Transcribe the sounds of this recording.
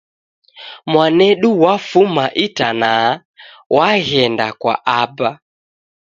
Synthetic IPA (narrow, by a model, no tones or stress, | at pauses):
mwanɛɗuwafumaʔitana | waɣɛnda̰kwa̰ʔaba